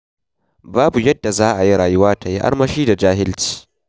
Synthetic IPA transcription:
baː˦bu˨jɐ˦dːa˨zaː˦ʔa˨ji˦ɽaː˨jʊ˦waː˦ta˨ji˦ʔa̰˦ɽmɐ˦ʃiː˦da˨d͡ʒaː˦ɦɪ˦lt͡ʃi̥ː˦

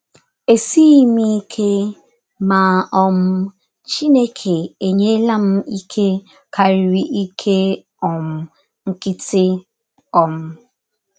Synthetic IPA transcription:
e˨si˦mi˦kʰe˦ | ma˨ɔ˦m̩˦ | t͡ʃi˦ne˦kʰe˨e˨ɲe˦la˦m̩˦i˦kʰe˦ | kʰa˨ɾi˨ɾi˨ʔi˦kʰe˦ | ɔ˨m̩˦ | ŋ̩˦kɪ˦tɪ˦ | ɔ˨m̩˦

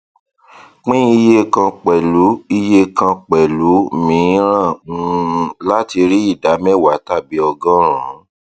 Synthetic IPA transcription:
k͡pĩ˦i˧je˦kã˧k͡pɛ˨lu˨˦i˧je˦kã˧k͡pɛ˨lu˨˦˨mĩ˨˧˦ɾ̃ã˦˨ŋũ˧la˦ti˧ɾi˦i˦˨da˨˦mɛ˦˨wa˨˦ta˦˨bi˨˦ɔ˧ɡɔ̃˦ɾ̃ã˨˦

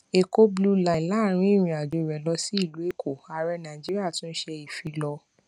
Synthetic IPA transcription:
e˨ko˦blu˦la˨la˨˦˨ɾ̃ĩ˧˦i˦˨ɾ̃ĩ˧a˨do˨˧˨ɾɛ˨˦lɔ˧si˦i˦˨lu˨˦e˦˨kʰo˨a˨ɾɛ˧nã˨d͡ʒi˦ɾi˦a˦˨tũ˦n̩˦ʃɛ˧i˨fi˧lɔ˧

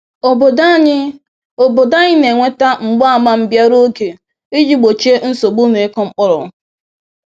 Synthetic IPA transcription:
o˨bo˨da˦ɲ˦ | o˨bo˨da˦ɲɪ˦ne˨ŋʷe˦ta˦ŋ͡m̩˨ɡ͡ba˦a˨ma˦m̩˨bja˦ɾo˦ɡe˨ | i˦d͡ʒi˦ɡ͡bo˨t͡ʃe˦n̩˦so˨ɡ͡bu˦ne˨˦kɔ˦ŋ͡m̩˦k͡pʊ˦ɾʊ˨

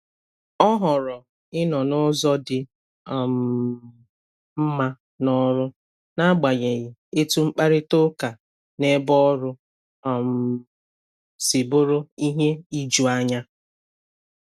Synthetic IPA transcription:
ɔ˦ɦɔ˨ɾɔ˨ | ɪ˦nɔ˨nʊ˦zɔ˦dɪ˨ | ɔ˨m̩˨ | m̩˦ma˦ | nɔ˦ɾʊ˦ | na˦ɡ͡ba˨ɲe˨ɣɪ˨e˦tu˦ŋ͡m̩˦k͡pa˦ɾɪ˦to˦ka˨ | ne˦bɔ˦ɾʊ˦ | ɔ˨m̩˨ | si˨bʊ˦ɾʊ˦i˦ɦe˦i˦d͡ʒu˨a˦ɲa˦

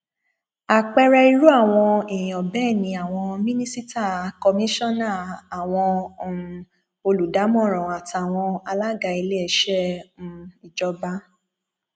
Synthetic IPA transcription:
a˨k͡pɛ˧ɾɛ˧i˧ɾu˦a˦˨w̃ɔ̃˧i˨ĩ˨ɔ˨bɛː˦˨nĩ˧a˨w̃ɔ̃˧mĩ˦nĩ˦si˦ta˦˨kɔ˧mĩ˦ʃɔ̃˦nã˦˨a˨w̃ɔ̃˧˨ | o˧lu˨da˨˦mɔ̃˦˨ɾ̃ɔ̃˨a˨ta˨w̃ɔ̃˧a˧la˦ɡa˧˦i˧le˦ɛ˧˨ʃɛ̃˦˨˦ | i˨d͡ʒɔ˧˦ba˦

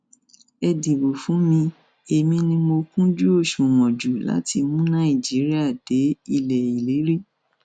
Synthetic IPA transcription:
ɛ˧di˨bo˨fũ˨˦mĩ˧ | e˨mĩ˧nĩ˧mo˧kũ˦d͡ʒu˦o˦˨ʃũ˨w̃ɔ̃˨d͡ʒu˨la̰˨˦ti˧mũ˦nã˦˨i˨d͡ʒi˨˦ɾi˦a˦˨d̥e˨˦i˧lɛ˨i˨le˨˦ɾi˦

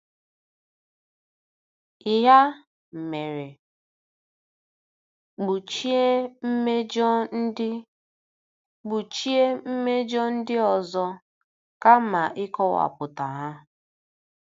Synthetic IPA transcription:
ɪ˨ɦa˦ | m̩˨me˨ɾe˨ | ɡ͡bu˨t͡ʃe˦m̩˦me˦d͡ʒɔ˦n̩˦ɪ˦ | ɡ͡bu˨t͡ʃi˦e˦m̩˦me˦d͡ʒɔ˦n̩˦dɪ˦ɔ˨zɔ˦ | ka˦ma˨ʔɪ˦kɔ˦wa̰˨pʊ˨ta˨ɦa˦

